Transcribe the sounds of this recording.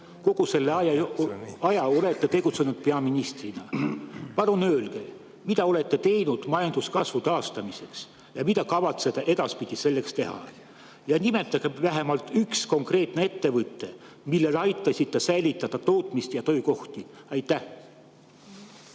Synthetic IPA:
ko̞ɡ̥use̞lːeɑjɑ | ɑjɑo̞le̞t̪ːe̞t̪e̞ɡ̥ut̪se̞nud̪̥pe̞ɑminist̪rinɑpɑlunø̞ːlɡ̥e̞̰ | mid̪ɑo̞le̞t̪ːe̞t̪e̞jnud̪̥mɑjɑnd̪̥uskɑsvut̪ɑːst̪ɑmise̞ks | jɑmit̪ɑkɑvɑt̪se̞d̪̥ɑʔe̞d̪ɑspid̪̥ise̞lːe̞kst̪e̞ɦɑ̰ | jɑnime̞t̪ːˑɑɡ̥evæɦe̞mɑlt̪ːyksko̞ŋkre̞ːt̪nee̞t̪ːe̞vɯt̪ːˑe̞ | milːe̞lɑjt̪ːˑɑsʲit̪ːˑe̞sæjlʲit̪ːˑɑd̪̥ɑt̪o̞ːt̪ˑmist̪jɑt̪ø̞jko̞ht̪iɑjt̪ːˑæh

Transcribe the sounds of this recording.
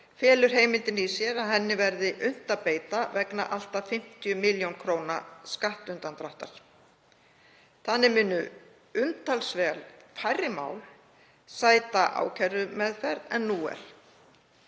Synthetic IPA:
fjɛːlʏɾ̥ɦeːjmɪnt̪ɪnisjɛɾaðhɛnːɪvɛɾðɪʔʏn̥t̪apeːjt̪avɛkna̰ʔal̥t̪afɪm̥t̪ijʏmɪljownkʰɾoːwnaskaht̪ʏnt̪ant̪ɾaht̪a̰ɾ̥ | θaðnːɪmɪːnːʏ | ʏmt̪ʰalsvɛːɣlfajrːɪma̰ːwl | saːjt̪aʔa̰ːwcʰɛɾðʏmɛðfɛɾðɛnːuːɛ̰ɾ̥

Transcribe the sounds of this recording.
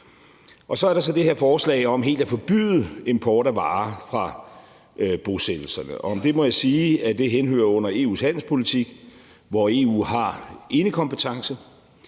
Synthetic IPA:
ʔɒ̽sɒ̽æɐɾɑ̈sɒ̽d̥e̝he̝ɐfɒːslɛ̰ɪɒ̽mɦe̝̰ːld̥æfɒ̽b̥y̰ːð̩ˠe̝mpʰɒːɾæʋɑ̈ːfʁɑ̈ | b̥o̝sed̥l̩sɐnəʔɒ̽ɒ̽md̥e̝mɒ̽jäsiːæd̥e̝ɦenhø̰ɐɔ̽n̰ɐe̝ːṵːshæn̰l̩spʰo̝lit͡sʰiɡ̥ | ʋɒe̝ːṵːhɑ̈ʔe̝nəkʰɒ̽mpət͡sʰɑ̈ŋsə

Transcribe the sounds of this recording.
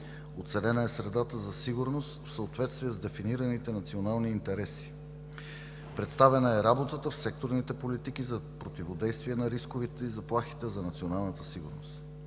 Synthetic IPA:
ot̪sɛnɛnəɛsɾɛd̪at̪əzɐsiɡʊɾnost̪fsəot̪vɛt̪st̪viɛzd̪ɛfiniɾənit̪ɛnɐt̪sionalˠniːnt̪ɛɾɛsi̥ | pɾɛt̪st̪avɛnəɛɾabot̪ət̪əfsɛk̚t̪oɾnit̪ɛpolit̪ikizɐpɾot̪ivod̪ɛjst̪viɛnɐɾiskovit̪ɛizɐplˠaxi̥t̪ɛzɐnɐt̪sionalˠnət̪əsiɡʊɾno̰st̪

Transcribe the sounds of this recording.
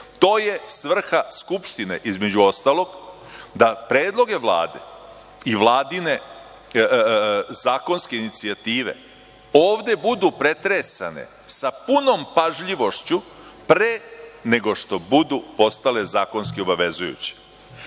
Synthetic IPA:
t̪o̞ːje̞sʋr̩xaskupʃt̪ine̞̰ʔizme̞d͡ʑuost̪alˠo̞ɡ | d̪apɾeːd̪lˠo̞ɡe̞ʋlˠa̰ːd̪e̞̰ | iʋlˠaːd̪ine̞ | zaːko̞nske̞init̪siat̪iːʋe̞̰ | oːʋd̪e̞bud̪upɾe̞t̪ɾesa̰nḛ | sapuno̞mpaʒʎiʋo̞ʃt͡ɕu | pɾene̞ɡo̞ʃt̪o̞bud̪upo̞st̪ale̞zaːko̞nskio̞baʋe̞zujṵt͡ɕi̥

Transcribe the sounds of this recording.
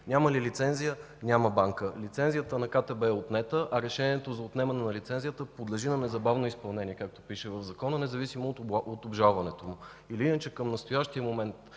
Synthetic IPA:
nʲaməlilit̪sɛnzijə | nʲaməbaŋkəlit̪sɛnzijət̪ənɐkat̪ɛbɛot̪nɛt̪əʔɐɾɛʃɛnʲiɛt̪ozɐot̪nɛmɐnɛnɐlit̪sɛnzijət̪əpod̪lɛʒinɐnɛzɐbavnoispɐlˠnɛnʲiɛkak̚t̪o̥piʃɛvəvzɐkɔnənɛzɐvisimoot̪obʒalˠvɐnɛt̪omʊ | iliinət͡ʃɛkəmnɐst̪ojaʃt̪iəmomɛnt̪

